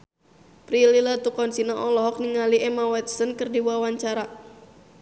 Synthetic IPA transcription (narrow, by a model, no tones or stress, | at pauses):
pɾililat̪ukɔnsinaʔɔlɔɦɔk̚niŋaliʔɛmawɛt̪̚sənkərdiwawaɲt͡ʃaɾa